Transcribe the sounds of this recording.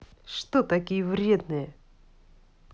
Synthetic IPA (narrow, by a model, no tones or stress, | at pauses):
ʂt̪ot̪ɐkʲijəvɾʲe̞d̪nɨjə